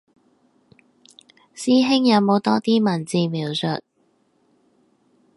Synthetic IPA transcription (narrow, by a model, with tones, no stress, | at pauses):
siː˥ɦɪ˥ŋjɐ˨˧wmo˨˧wt̪ɔː˥t̪iː˥mɐ˨˩nt͡siː˧miː˨˩wsɵ̰˨t̚